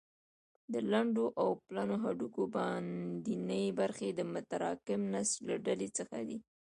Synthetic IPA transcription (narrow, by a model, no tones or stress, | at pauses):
d̪əlaɳɖoʔawplɑnoɦaɖukobɑnd̪inəjebaɾxed̪əmʊt̪aɾɑkɪmnaslaɖalet͡səxa̰d̪i